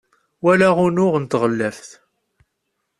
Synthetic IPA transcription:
wælæʁʊnʊʁənt̪ʁəlːæfθ

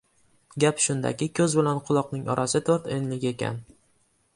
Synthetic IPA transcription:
ɡʲapʃʊnd̪a̰kʲɪkʲʰɵzbɪlanqʰʊlˠɒqnɪŋɒ̰ɾʔasɪt̪ʰoɾt̪enlɪɡʲe̞kʲʰa̰n

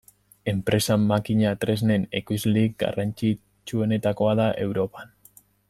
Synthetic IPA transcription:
e̞mpɾe̞samakiɲat̪ɾe̞zne̞nekujzlik̚ɡa̰rant͡ʃi | t͡ʃue̞ne̞t̪ako̞aðaʔe̞wɾo̞pan

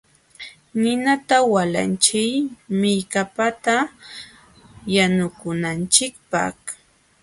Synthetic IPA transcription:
nɪnat̪awala̰nt͡ʃɪjmɪjkapat̪a | janʊkʊnant͡ʃɪkpa̰χ

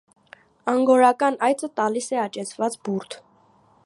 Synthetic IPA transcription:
ɑŋɡɔɾɑkɑnɑjt͡sʰət̪ɑlisɛɑt͡ʃɛt͡sʰvɑt͡sbuɾt̪ʰ

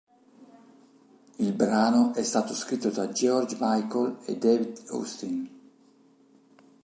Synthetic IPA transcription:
ilbɾaːnoʔɛst̪aːt̪oskɾit̪ːod̪ad͡ʒeɔrd͡ʒmajkolḛd̪eːvid̪o̰st̪in

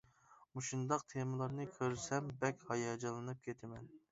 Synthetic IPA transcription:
uʃund̪ɑq̚t̪ʰemɨlˠɑɾnɨkʲʰøɾsɛmbɛkʲhɑjɑd͡ʒɑlˠɨnɨp̚kʲʰet̪ʰɪmɛn

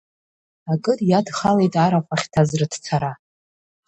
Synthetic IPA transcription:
akʼɨtʼjadχalejtʼaɾaχʷʼaχʲtʰazrɨd̥t͡sʰaɾa

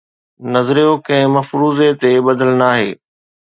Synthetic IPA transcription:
nɐzɾijokɐ̃ɦɪ̃mɐfɾuːzet̪ebɐd̪ʱəlnaːɦḛː

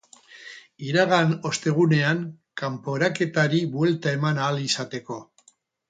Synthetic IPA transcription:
iɾaɣano̞st̪e̞ɣ̞une̞aŋ | kampo̞ɾake̞t̪aɾiβue̞lt̪ae̞manaːlisat̪e̞ko̞

